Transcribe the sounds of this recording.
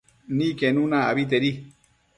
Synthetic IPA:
nikenũnaa̰βit̪̬eɾi

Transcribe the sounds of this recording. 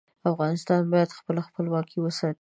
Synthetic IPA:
afɣɑnɪst̪ɑnbɑjad̪xpəlaxpəlwɑkʰiwəsɑt̪

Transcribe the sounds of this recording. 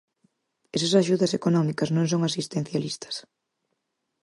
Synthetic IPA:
esɐsaʃuðɐsekonɔmikɐznõŋsoŋasist̪en̟θjalist̪ɐ̥s

